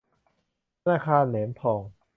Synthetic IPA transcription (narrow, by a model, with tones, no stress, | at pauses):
t̪ʰa˧naː˧˩kʰaː˧nleː˩˦mp̪ʰɔː˨˩ŋ